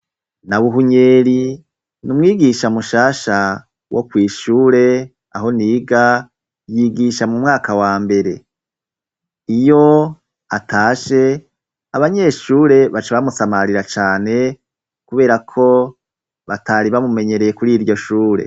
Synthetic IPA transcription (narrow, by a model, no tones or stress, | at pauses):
naβuɦuɲeːɾi | numŋiːɡiʃamuʃaːʃa | wʔo̞̰kwiːʃuːɾe̞ | a̰ɦo̞niːɡa | jiːɡiʃamumŋaːkawaːmbe̞ɾe̞ | ijo̞ | atʰaːʃe̞ | aβaɲe̞ʃuːɾe̞βat͡ʃaβamusamaɾiɾat͡ʃaːne̞ | kuβe̞ːɾakʰo̞ | βatʰaɾiβamume̞ɲe̞ɾe̞jekuɾiːɾɟo̞ʃuːɾe̞̰